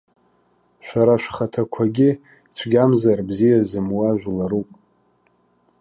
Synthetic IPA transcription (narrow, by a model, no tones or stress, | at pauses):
ʃᶣʷaɾaʃʷᶣχatʰakʷʰaɡʲɪ | t͡sʷʰɡʲamzarbzijazɨmwaʒᶣʷlaɾupʼ